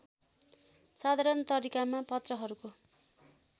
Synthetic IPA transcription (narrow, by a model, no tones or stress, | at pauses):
sad̪ʱaɾʌnt̪ʌɾikamapʌt̪rʌɦʌɾuko